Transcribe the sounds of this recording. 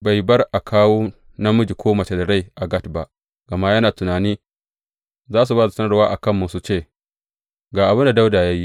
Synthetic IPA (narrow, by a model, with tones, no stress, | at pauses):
ba˨jbɐ˦rʔa˨kʰaː˦woː˦ | na˦mʊ˦d͡ʒi˨kʷʰoː˦mɐ˨t͡ʃe˨da˨ɽa˦jʔa˨ɡɐ˦tba˦ʔ | ɡ̥ɐ˨ma˦jɐ˦naː˨tʊ˨naː˨niː˦ | zaː˦s̬u˨baː˦da˨sɐ˦nɐ˦rwaː˦ʔa˨kɐ˦˨mːʊ˦nsu˨t͡ʃeː˦˨ | ɡaː˨ʔa˨bʊ˦nda˨da˦wdaː˨ja˦ji˦ʔ